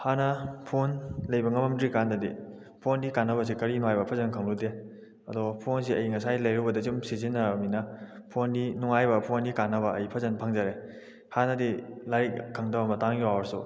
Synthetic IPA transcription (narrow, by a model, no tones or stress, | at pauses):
hanɐpʰonlɐjbɐŋɐmɐmdɾikandɐdi | pʰondikanːɐbɐs̬ikɐɾinuŋajbɐpʰɐzɐnkʰaŋlude | ɐdɔpʰons̬iɐjŋɐsajlɐjɾubɐdɐzumsizinːɐminɐpʰondinuŋajbɐpʰondikanːɐbɐɐjpʰɐzɐnpʰaŋzaɾe | hanɐdilajk̚kʰːaŋdabamɐtaŋɡiawɐɾsu